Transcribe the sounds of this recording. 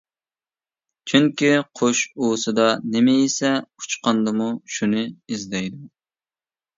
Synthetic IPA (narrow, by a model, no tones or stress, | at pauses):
t͡ʃʰyŋkʲiqʰoʃuːsɨd̪ɑnɪmɪisɛu̥t͡ʃqɑnd̪ɨmuʃunɨizd̪ɛjd̪u